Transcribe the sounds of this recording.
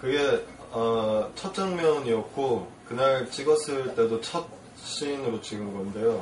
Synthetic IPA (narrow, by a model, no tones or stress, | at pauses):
kɯɡe̞ | ʌt͡ɕʰʌt̚t͡ɕ͈ʌŋmjʌɲiʌk̚k͈ʰokɯnaɭt͡ɕ͈iɡʌsʰɯɭt͈e̞dot͡ɕʰʌt̚ | ɕ͈inɯɾot͡ɕiɡɯnɡʌnde̞jo